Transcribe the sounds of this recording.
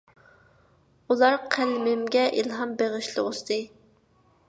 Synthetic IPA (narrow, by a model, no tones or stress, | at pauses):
ulˠɑɾqʰælmɪmɡʲɛʔilɦɑmbeʁɨʃlˠɨ̰ust̪ɨ